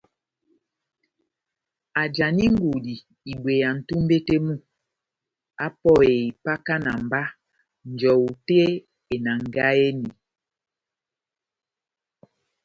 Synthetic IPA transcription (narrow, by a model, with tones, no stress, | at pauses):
a˨d͡ʒa˨ni˦ŋ˦ɡu˨di˨ | i˨bwe˨ja˨n̩˨tu˦m˦be˦te˦mu˦˨ | a˦pɔ˦e˨i˨pa˦ka˦na̰˨m˨ba˦ | n̩˨d͡ʒɔ˨u˨te˦ | e˨na˨ŋ˨ɡa˦e˦ni˨